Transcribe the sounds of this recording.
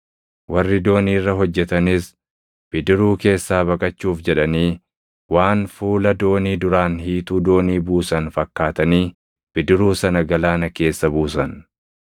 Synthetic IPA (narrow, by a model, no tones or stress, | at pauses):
wɐrːɪd̪o̞ːniːrːɐɦɔd͡ʒːɛt̪ɐnɪs | b̥ɪd̪ɪɾuːke̞ːsːaːβɐkʼɐt͡ʃːuːfd͡ʒɛᶑɐniː | waːnfuːlɐd̪o̞ːniːd̪ʊɾaːnhiːt̪uːd̪o̞ːniːbuːsɐnfɐkːaːt̪ɐniː | b̥ɪd̪ɪɾuːsɐnɐɡɐlaːnɐke̞ːsːɐbuːsɐn